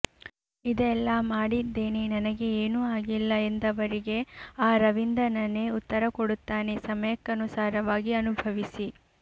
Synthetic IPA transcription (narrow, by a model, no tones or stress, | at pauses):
id̪ɛlːamaːɽid̪ːe̞ːnenɐnɐɡe̞eːnuaːɡilːɐe̞nd̪ɐʋɐɾiɡe̞aːɾɐʋind̪ɐnɐne̞ːut̪ːɐɾɐkoɽut̪ːaːne̞sɐmɐjkːɐnusaːɾɐʋaːɡiɐnubʱɐʋisi